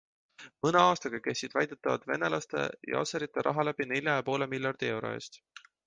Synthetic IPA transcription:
mɤneɑːst̪ɑɡ̥ɑke̞sːid̪̥væjd̪̥et̪ːɑvɑ̰d̪̥ve̞̰ne̞lɑst̪e̞̰jɑ̰o̰seɾit̪ːˑeɾʔɑɦɑlæb̥ine̞lʲjɑjɑpo̞ːle̞milʲjɑrd̪̥ie̞wɾo̞̰e̞̰ːst̪

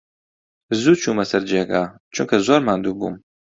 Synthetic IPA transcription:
zuːt͡ʃʰuːmɐsɐɾd͡ʒeːɡaː | t͡ʃʰuŋkʰɐzoːɾmand̪uːbṵːm

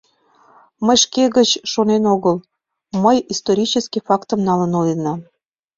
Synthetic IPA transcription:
məjʃkeɣət͡ɕʃonenoɣəl | məjist̪oɾʲit͡ɕəskifɑkt̪əmnɑlənolinɑ

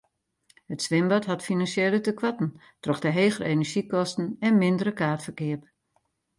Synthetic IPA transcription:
hətsʋɪmbɔtɦatfinansjeːlətəkwatn̩ | trɔxdəɦeːɣərenəɹʒikɔstn̩ɛnmɪndəɾəkaːrtfərkɪəp

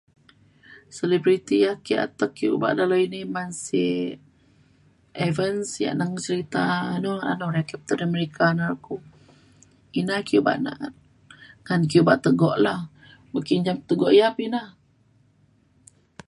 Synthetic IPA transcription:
selibɾit̪ijahkia̰t̪əkːiuba̰ʔdalainimansi | ʔevənsja̰ʔnaŋt͡ʃəɾit̪anɔa̰noɾɛkɛp̚t̪ədəməɾikʰanalku | inakiuba̰ʔna̰ʔt̪̚ | ŋankijubaʔt̪əɡɔʔlah | bəkind͡ʒamt̪əɡɔʔijapinah

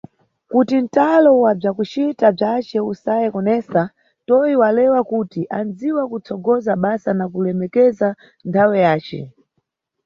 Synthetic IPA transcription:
kutin̩talɔwab͡ʐakut͡ʃitab͡ʐat͡ʃɛusajɛkɔnɛsa | tɔjiwalɛwakutiʔand͡ziwakut͡sɔɡɔzaɓasanakulɛmɛkɛza | ntʰawɛjaːt͡ʃɛ̰

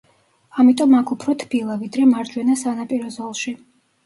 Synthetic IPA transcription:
amit̪ʼɔmakʰupʰɾɔt̪ʰb̥ilˠavid̪ɾɛmaɾd͡ʒwɛnasanapʼiɾɔzɔlˠʃi

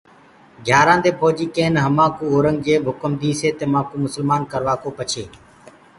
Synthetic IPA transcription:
ɡʱjaːɾãːd̪eːpoːd͡ʒiːkẽːnɦəmãːkuːoːɾəŋɡ̚d͡ʒeːbʱʊkəmd̪iːseːt̪eːmãːkuːmʊsəlmaːnkəɾʋaːkoːpət͡ʃʰeː

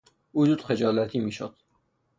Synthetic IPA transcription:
uːd͡ʒuːd̪̥χed͡ʒɒːlæt̪ʰiːmiːʃo̰d̪̥

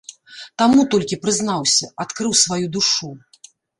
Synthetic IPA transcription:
t̪amut̪ɔlʲkʲipɾɨznawsʲɐat̪kɾɨwsvajud̪uʂu

